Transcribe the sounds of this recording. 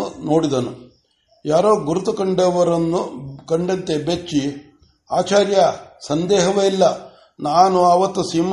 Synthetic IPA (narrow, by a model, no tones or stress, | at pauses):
no̞ːɽid̪ɐnu | jaːɾoːɡuɾut̪ukɐɳɖɐʋɐɾɐnːukɐɳɖɐnt̪e̞bet͡ʃːi | aːt͡ʃaːɾjɐsɐnd̪ɛːɦɐʋeilːɐ | naːnuɐʋɐt̪ːusiːm